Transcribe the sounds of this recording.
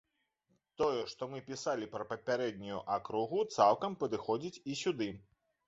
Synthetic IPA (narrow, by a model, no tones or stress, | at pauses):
t̪ɔjɛʂt̪ɔmɨpʲisalʲipɾɐpɐpʲaɾɛd̪̚ʲnʲujṵʔakɾuɣut̪saw̪ˠkɐmpɐd̪ɨxɔd͡zʲit͡sʲisʲud̪ɨ